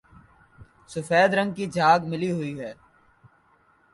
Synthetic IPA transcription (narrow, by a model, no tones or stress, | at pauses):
sʊfɛːd̪ɾə̃ŋɡ̚kid͡ʒʱaːɡmɪliɦʊiɦɛː